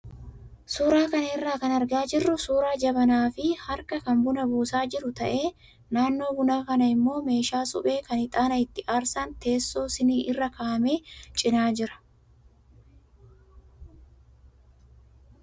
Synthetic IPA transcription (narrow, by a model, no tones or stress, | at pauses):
suːɾaːkɐnɐɪrːaːkɐnɐɾɡaːd͡ʒɪrːʊsuːɾaːd͡ʒɐbɐnaːfɪhɐɾkɐkɐmbʊnɐbuːsaːd͡ʒɪɾʊt̪ɐʔe̞ː | naːnːo̞ːbʊnaːkɐnɐɪmːo̞ːme̞ːʃaːsʊ̰pʼe̞ːkɐnɪt̪ʼaːnɐɪt̪ːɪʔaːɾsaːnt̪e̞ːsːo̞ːsɪniːʔɪrːɐkaːɐme̞ːt͡ʃʼɪnaːd͡ʒɪɾɐ̥